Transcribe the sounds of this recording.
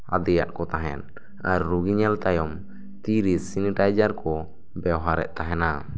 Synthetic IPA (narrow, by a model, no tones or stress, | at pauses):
a̰d̪ɛja̰ʔkɔt̪aɦɛ̰n | aɾːuɡiɲalt̪ajɔm | t̪iɾisiniʈajd͡ʒaɾkɔ | bɛwɦaɾɛ̰ʔt̪aɦɛna